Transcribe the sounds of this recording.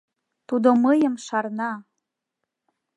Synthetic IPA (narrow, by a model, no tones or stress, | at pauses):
t̪ud̪oməjə̆mʃɑrnɑ